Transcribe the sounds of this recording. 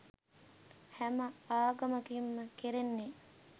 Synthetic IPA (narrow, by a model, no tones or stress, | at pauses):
hæməaːɡɐməɡimːəkeɾenːe